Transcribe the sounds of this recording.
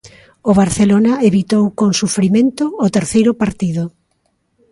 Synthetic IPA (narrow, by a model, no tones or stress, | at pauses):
oβaɾθelonaeβit̪owkoŋsufɾimẽnt̪ʊːt̪eɾθejɾʊpaɾt̪iðʊ